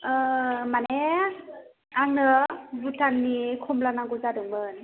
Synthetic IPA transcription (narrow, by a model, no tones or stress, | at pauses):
mane | aŋnɯbutʰannikʰɔmlanaŋɡɔzadɯŋmɯn